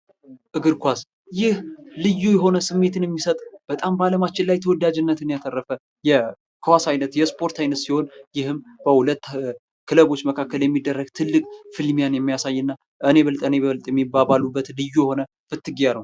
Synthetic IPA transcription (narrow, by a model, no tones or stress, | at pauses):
ʔɨɡɨɾkʷas | jɪhlɨjːujɛɦo̞nəsɨmːe̞t̪ʰɨnjɛmːisət̪ʼb̥ət̪ʼambaləmat͡ʃːɪllajt̪ʰəwɔd̪ad͡ʒɨnːət̪ɨnijat̪ʰərːəfə | jɛ | kʰəwasajnət̪jɛspʰo̞ɾt̪ʰajnət̪siho̞njɪhɨmb̥əhulət̪ː | kʰɨləβo̞t͡ʃːməkʰakːəljɛmːid̪ːərːəɡt̪ʰɨlːɨkʼfɨlmijanjɛmːijasajːɨnːa | ʔɨne̞βəlt̪ʼəneβəlt̪ʼjɛmːibaβalubːət̪lɨjːujɛho̞nə | fɨt̪ːɨɡjanəw